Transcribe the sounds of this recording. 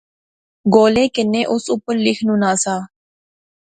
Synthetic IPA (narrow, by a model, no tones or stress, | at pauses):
ɡoːleːkɪnːẽːʔʊsʊpːəɾlɪkʰnũːnaːsaː